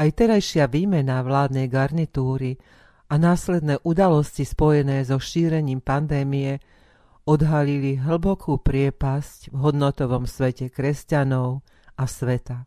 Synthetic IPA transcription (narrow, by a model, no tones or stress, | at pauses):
ajt̪ɛɾajʃɪaʋiːmɛnaʋlaːd̪nɛjɡaɾnit̪uːɾi | ʔanaːslɛd̪nɛːʔud̪alɔscispɔjɛnɛːzɔʃiːɾɛɲiːmpand̪ɛːmijɛ | ɔd̪ɦaliliɦl̩bɔkʰuːpɾɪɛpascvɦɔd̪nɔt̪ɔʋɔmsʋɛcɛkɾɛscanɔʊ | ʔasʋɛt̪a